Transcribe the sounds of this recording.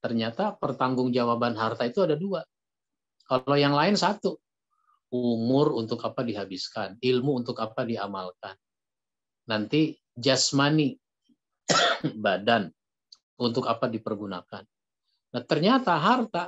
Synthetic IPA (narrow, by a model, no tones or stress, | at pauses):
t̪ərɲat̪apərt̪aŋɡʊŋd͡ʒawabanɦart̪ait̪uadadua | kalojaŋlaɪnsat̪u | umʊrunt̪ʊkapadiɦabɪskanilmuːnt̪ʊkapadiamalkanː | ant̪i | d͡ʒasmani | badan | unt̪ʊkapadipərɡuna̰kanː | aht̪ərɲat̪aɦart̪a